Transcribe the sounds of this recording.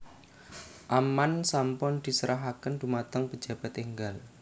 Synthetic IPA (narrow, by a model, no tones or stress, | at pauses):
ʔamansampʊnd̪̥i̤səɾʔaɦakənd̪ṳmat̪əŋpə̥d͡ʒ̥ä̤b̥a̤t̪iŋɡal